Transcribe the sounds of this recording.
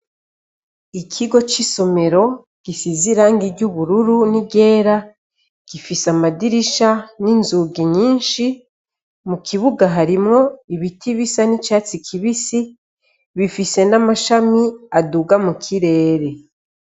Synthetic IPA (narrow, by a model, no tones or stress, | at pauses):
ikʰiɡo̞t͡ʃiso̞me̞ɾo̞ | ɡ̥isiziɾaːŋɡiɟuβuɾuɾuniɟe̞ːɾa | ɡ̥ifisamadiɾiʃaninzuɡiɲiːnʃi | mukʰiβuɡaɦaɾimŋo̞iβitʰiβisanit͡ʃaːt͡sikʰiβisi | βifise̞namaʃamiaduɡamukʰiɾe̞ːɾe̞